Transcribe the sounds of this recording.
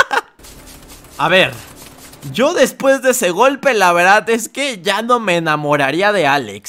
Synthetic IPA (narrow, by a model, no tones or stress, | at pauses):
aβe̞ɾ | ɟ͡ʝo̞ðe̞spwe̞zðeese̞ɣo̞lpe̞laβe̞ɾðaðe̞ske̞ʝano̞me̞ːnamo̞ɾaɾiað̞e̞alḛks